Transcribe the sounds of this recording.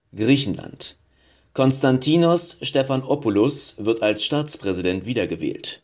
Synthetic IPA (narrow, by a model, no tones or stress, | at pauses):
ɡ̥ʁiːçn̩la̰nt | kʰɔnstantʰiːnʊsʃtɛfanʔɔpʊlʊsv̥ɪɐtalsʃtaːt͡spʁ̥ɛzidɛntv̥iːdɐɡəvɛ̰ːlt